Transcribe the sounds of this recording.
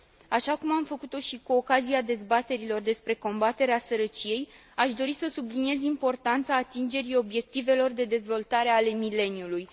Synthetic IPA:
aʃakumamfəkut̪o̞ʃikuo̞kaziad̪e̞zbat̪e̞ɾilo̞rd̪e̞spɾe̞ko̞mbat̪e̞ɾeasəɾət͡ʃije̞j | aʃd̪o̞ɾisəsublinie̞zimpo̞rt̪ant̪saːt̪ind͡ʒe̞ɾio̞bje̞k̚t̪ive̞lo̞rd̪e̞d̪e̞zvo̞lt̪aɾe̞ale̞mile̞njuluj

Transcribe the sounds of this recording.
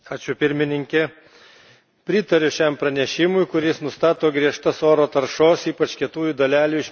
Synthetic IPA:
ɑːt͡ʃʲʊpʲɪɾʲmʲɪnʲɪŋʲkʲɛ | pʲɾʲɪt̪ɐɾʲʊʃʲɛmpɾɐnʲɛʃʲɪmʊɪkʊɾʲɪsnʊst̪ɑːt̪oːɡɾʲiɛʃt̪ɐsoːɾoːt̪ɐɾʃoːsiːpɐt͡ʃkʲɛt̪uːjuːd̪olʲæːlʲuːɪʃʲ

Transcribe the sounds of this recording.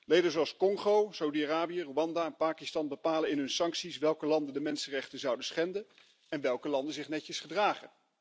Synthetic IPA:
lejdənzoɑlˠskɔŋχowsawudiaraːbijəroɑndaɛnpaːkistɑnbəpaːləɪnɦɵnsɑŋksisʋɛlˠkəlɑndəndəmɛnsənrɛχtənzɑwdəsχɛndən | ɛnʋɛlˠkəlɑndəzɪχnɛcəsχədraːχə̰n

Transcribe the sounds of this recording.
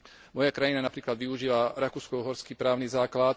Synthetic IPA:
mɔjakɾajinanapɾiːklad̪ʋiuʒiːʋaɾakuːskɔɦɔɾskiːpɾaːʊniːzaːklat̪

